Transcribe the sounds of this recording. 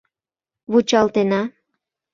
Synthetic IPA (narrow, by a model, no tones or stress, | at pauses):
βut͡ɕɑlt̪enɑ